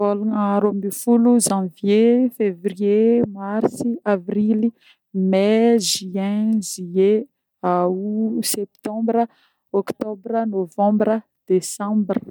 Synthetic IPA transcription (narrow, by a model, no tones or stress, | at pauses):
voluŋaɾomifuluzãvjefevriemarsiavrili | mɛʒiɛ̃zie | asɛp̚t̪ɑ̃mbɾə | ɔkt̪ɔbrənovɑ̃mbɾə | d̪̥esɑ̃mbrə